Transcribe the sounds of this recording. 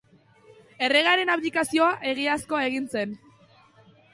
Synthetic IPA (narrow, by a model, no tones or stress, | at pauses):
e̞re̞ɣ̞aɾe̞naplikasio̞aʔe̞ɣ̞iasko̞e̞ɣ̞inse̞n